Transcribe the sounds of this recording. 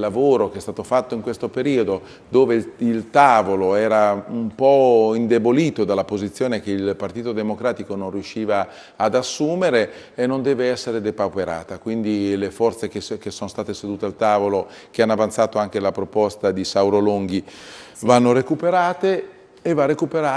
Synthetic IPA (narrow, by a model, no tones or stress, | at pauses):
lːavoːɾokeɛst̪aːt̪ofat̪ːoiŋkwest̪opeɾiːod̪o | d̪oːveilt̪aːvoloɛːɾaumpɔind̪eboliːt̪od̪alːapozit̪sːjoːnekeilpart̪iːt̪od̪emokɾaːt̪ikonõnriuʃːiːvaː | d̪asːuːmeɾeː | nːond̪ɛːveɛsːeɾed̪epawpeɾa̰ːt̪akwind̪ilefɔrt̪sekek̟esːonost̪aːt̪esed̪uːt̪ealt̪aːvolo | k̟eanːavant̪saːt̪oaŋk̟elapɾopɔst̪ad̪isawɾoloŋɡi | vanːoɾekupeɾaːt̪eː | varekupeɾa